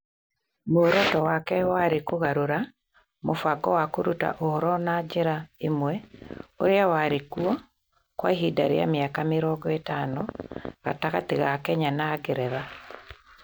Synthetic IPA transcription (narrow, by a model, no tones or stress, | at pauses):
moɾɔtɔwakɛwaɾekoɣaɾoɾa | mofaɡɔwakoɾuta̰ʔohɔɾɔnad͡ʒeɾaemwɛo̰ɾeawaɾekuɔ | kwaiɦida̰ɾḛa̰meakameɾɔɡɔetanɔɣa̰taɣateɣakɛɲanaːɡeɾɛða